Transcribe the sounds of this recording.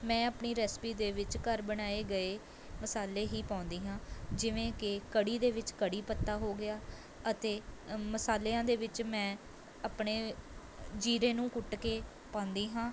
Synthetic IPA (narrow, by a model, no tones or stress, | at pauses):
mɛ̃ːəpɳiːɾɛːspiːd̪eːʋɪt͡ʃkəɾbəɽ̃aːeːɡəeː | məsaːleːɦiːpãːʊnd̪iːɦãːd͡ʒɪʋẽːkɪkəɽiːd̪eːʋɪt͡ʃkəɽiːpət̪ːaːɦoːɡɪaː | ət̪eːməsaːleːãːd̪eːʋɪt͡ʃmɛ̃ː | aːpɳeː | d͡ʒiːɾẽːnũːkʊʈkeː | pãːnd̪iːɦãː